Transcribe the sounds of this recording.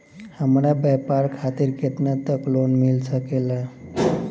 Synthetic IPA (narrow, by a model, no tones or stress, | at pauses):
həmɾabjɛpaɾkʰat̪iɾket̪nat̪əklonmilsəkela